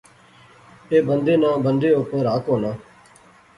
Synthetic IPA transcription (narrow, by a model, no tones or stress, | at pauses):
eːbənd̪eːnãːbənd̪eːʊpəɾaːkɦoːnãː